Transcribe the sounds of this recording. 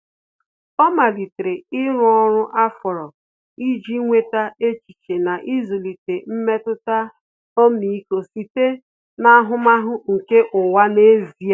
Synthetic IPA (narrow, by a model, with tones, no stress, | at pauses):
ɔ˦ma˨li˨tɾe˨ɪ˦ɾʊ˦ɔ˦ɾʊ˦ʔa˦fɔ˨ɾɔ˨ | i˦d͡ʒi˦ŋʷe˦ta˦e˦t͡ʃi˨t͡ʃe˨na˨ʔi˦zo˨li˨te˨m̩˦me˦tʊ˦ta˦ | o˦mi˨i˦ko˨si˨te˦ | na˦a˦ɦʊ˦ma˦ɦʊ˦ŋ̩˨ke˦ʔʊ˨wa˦ne˦zi˨a˦